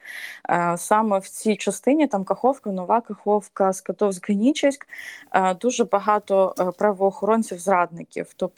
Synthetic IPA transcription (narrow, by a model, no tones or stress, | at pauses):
sɑmɛwt͡sʲijt͡ʃɐst̪ɪnʲit̪ɑmkɐxɔwkɐnɔʋɑkɐxɔwkɐskɐt̪ɔwzʲɦɐnʲit͡ʃɪsʲkːd̪uʒɛbɐɦɑt̪ɔpɾɐʋɔːxɔɾɔnʲt͡sʲiwzrɑd̪nɪkʲḭwt̪ɔp